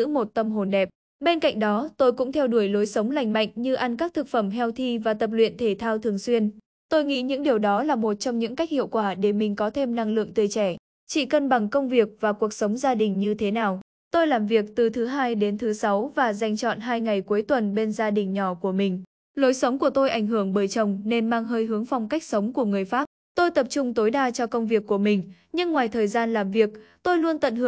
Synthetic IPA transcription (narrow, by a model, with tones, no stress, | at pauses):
ɨ̰˧˥mo˨˩t̚t̪ə˧mɦo˨˩nɗɛ˨˩p̚ | ɓe˧nka̰˧˨jŋ̟̚ɗɔ˨˦t̪o˧jkʊ̰˧˥ŋ͡mt̪ʰɛ˧wɗu˧˩əjlo˨˦jsə˨˦wŋ͡mla˨˩jŋ̟ma̰˧˨jŋ̟ɲɨ˧ʔa˧nkaː˦˥k̚t̪ʰɨ˨˩k̚fə˧˩mɦɛ˧wt̪ʰi˧vaː˨˩t̪ə˨˩p̚lwḭ˧˨ənt̪ʰe˧˩t̪ʰaː˧wt̪ʰɨ˨˩əŋswi˧ən | t̪o˧jŋḭ˧˥ɲɨ̰˧˥ŋɗi˨˩əwɗɔ˨˦laː˨˩mo˨˩t̚t͡ɕɔ˧wŋ͡mɲɨ̰˧˥ŋka˦˥jk̚hḭ˧˨əwkwaː˧˩ɗe˧˩mï˨˩ŋ̟kɔ˨˦t̪ʰe˧mna˧ŋlɨ̰˧˨əŋt̪ɨ˨˩˨jt͡ɕɛ˧˩ | t͡ɕḭ˧˨kə˧nɓa˧˩ŋkə˧wŋ͡mvi˨˩ək̚vaː˨˩ku˨˩ək̚sə˨˦wŋ͡mzaː˧ɗï˨˩ŋ̟ɲɨ˧t̪ʰe˨˦naː˨˩w | t̪o˧jlaː˨˩mvi˨˩ək̚t̪ɨ˨˩t̪ʰɨ˨˦ɦaː˧jɗe˨˦nt̪ʰɨ˨˦sa˨˦wvaː˨˩za˧jŋ̟t͡ɕɔ̰˧˨nɦaː˧jŋa˨˩jku˨˦jt̪wə˨˩nɓe˧nzaː˧ɗï˨˩ŋ̟ɲɔ˧˩ku˧˩əmï˨˩ŋ̟ | lo˨˦jsə˨˦wŋ͡mku˧˩ət̪o˧jʔa˧˩jŋ̟ɦɨ˧˩əŋɓəː˨˩jt͡ɕə˨˩wŋ͡mne˧nmaː˧ŋɦəː˧jɦɨ˨˦əŋfa˧wŋ͡mka˦˥jk̟̚sə˨˦wŋ͡mku˧˩əŋɨ˨˩əjfaː˦˥p̚ | t̪o˧jt̪ə˨˩p̚t͡ɕʊ˧ŋ͡mt̪o˨˦jɗaː˧t͡ɕɔ˧kə˧wŋ͡mvi˨˩əkːu˧˩əmï˨˩ŋ̟ | ɲɨ˧ŋːwaː˨˩jt̪ʰəː˨˩jzaː˧nlaː˨˩mvi˨˩ək̚t̪o˧jlu˧ənt̪ə̰˧˨nhɨ˧˩